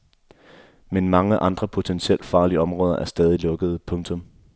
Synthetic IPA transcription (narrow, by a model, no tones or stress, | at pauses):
menmɑ̈ŋəʔɑ̈nd̥ʁɐpʰo̝t͡sʰensiel̰̥fɑ̈ːliəɒ̽mʁɔːð̞ˠɐʔæɐsd̥ɛːð̞ˠilɔ̽ɡ̥əð̞̩ˠpʰɔ̽ŋt͡sʰɔ̽m